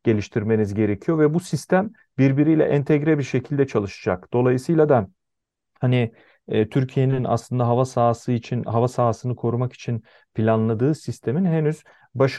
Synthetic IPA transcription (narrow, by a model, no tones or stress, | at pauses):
ɟ̥e̞lʲiʃt̪ʰiɾme̞nizɟe̞ɾe̞cʰijo̞vɛbusist̪ʰæm | biɾbiɾijlʲɛ̰ʔɛnt̪ʰɛɟɾɛbiɾʃe̞cʰilʲd̪ɛt͡ʃʰalˠɯʃɯ̥d͡ʒakd̪̥o̞lˠajɯsɯjlˠad̪a | hani | ɛt̪ʰyɾcʰije̞nina̰slˠɯnd̪aɦavasaːsɯit͡ʃʰinɦavasaːsɯnɯkʰo̞ɾumaki̥t͡ʃʰin | pʰilʲanlˠad̪ɯːsist̪ʰe̞minɦenyz̥ | baʃ